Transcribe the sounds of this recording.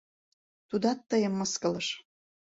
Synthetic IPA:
t̪ud̪ɑt̪ːəjəmːɤskɤ̆lɤʃ

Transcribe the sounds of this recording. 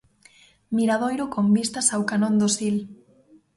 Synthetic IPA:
miɾað̞ojɾʊkombist̪asawkanõnd̪osil

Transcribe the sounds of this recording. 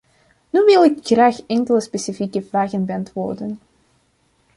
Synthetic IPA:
nyʋɪlˠɪkxraːxɛŋkələspeːsifikəvraːɣənbɑntʋo̰ːrdən

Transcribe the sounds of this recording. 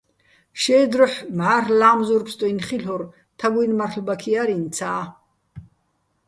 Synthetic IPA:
ʃɛːd̪ɾɔħmʕarlaːmzurpʰst̪ʼɔinχiɬɔr | t̪ʰaɡujnmarɬbakʰiaɾint͡sʰaː

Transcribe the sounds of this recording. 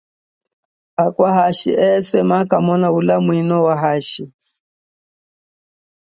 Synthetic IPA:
akwaɦaʃḭʔɛswɛmakamɔnaulamwinɔwaɦaʃi

